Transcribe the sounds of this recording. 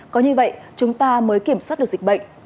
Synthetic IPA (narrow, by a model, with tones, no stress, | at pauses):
kɔ˨˦ɲɨ˧və̰˧˨jt͡ɕʊ˨˦ŋ͡mt̪aː˧məː˨˦jki˧˩əmswaː˦˥ɗɨ˨˩zi˨˩k̚ɓə̰˧˨ŋ̟